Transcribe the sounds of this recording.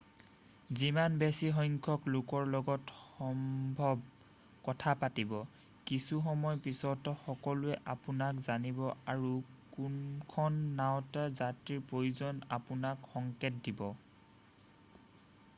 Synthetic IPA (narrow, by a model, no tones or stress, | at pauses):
zimanbesiɦɔjŋkʰɔklʊkɔɹlɔɡɔtxɔmbʱɔb | kɔtʰapatibɔ | kisuxɔmɔjpisɔtɔxɔkɔlʊɛʔapʊnakzanibɔaɹukunkʰɔnːawtazatɹiɹpɹojuzɔnapʊnakxɔŋketdibɔ